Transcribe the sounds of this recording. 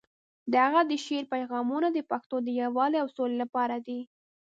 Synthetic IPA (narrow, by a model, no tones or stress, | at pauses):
d̪əhaɣad̪əʃeɾpajɣɑmunad̪əpaxt̪od̪əjawɑleawsolelapɑɾad̪i